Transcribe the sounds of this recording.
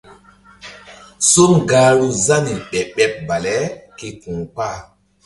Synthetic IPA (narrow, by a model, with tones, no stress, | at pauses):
so˦mɡaː˨ɾu˦za˦ni˨ɓɛ˨ɓɛ˨p̚ba˨lɛ˦ke˨kũː˨pa˦˨